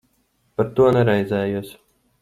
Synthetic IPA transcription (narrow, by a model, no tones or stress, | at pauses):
paɾt̪uɔnɛɾɛjzʲæːjuɔs